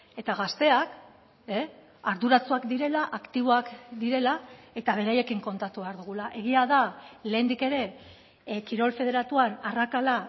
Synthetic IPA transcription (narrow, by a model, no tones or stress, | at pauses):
e̞t̪aɣ̞ast̪e̞ak | e | aɾðuɾat͡suakd̪iɾe̞laʔakt̪iβ̞o̞akd̪iɾe̞lae̞t̪aβ̞e̞ɾaje̞kiŋko̞nt̪at̪uβeaɾðuɣ̞ulaʔe̞ɣ̞iaðale̞ːnd̪ike̞ɾe̞ | kiɾo̞lfe̞ð̞e̞ɾat̪uanarakala